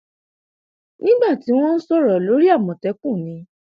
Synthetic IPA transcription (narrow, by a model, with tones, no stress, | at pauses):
nĩ˦ɡ͡ba˦˨ti˨˦w̃ɔ̃˦n̩˦sɔ˦ɾɔ˨lo˨˦ɾi˦a˦˨mɔ̃˨tɛ˨˦k͡pũ˦˨nĩ˨˦